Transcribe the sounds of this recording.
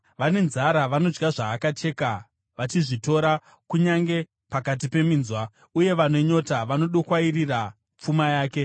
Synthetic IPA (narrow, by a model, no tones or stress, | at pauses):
ʋane̞nzaɾaʋano̞d͡ʒɡaʐaːkat͡ʃe̞ːka | ʋat͡ʃiʐito̞ɾa | kuɲaŋɡe̞ | pakat̬ipe̞miːnzwa | uje̞ʋane̞ɲo̞taʋano̞ɗokwairira | p͡fumajaːke̞